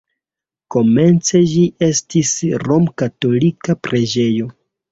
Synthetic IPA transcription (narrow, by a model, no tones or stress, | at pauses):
ko̞me̞nt͡se̞d͡ʒiʔe̞stisɾo̞mkato̞likapɾe̞d͡ʒe̞jo̞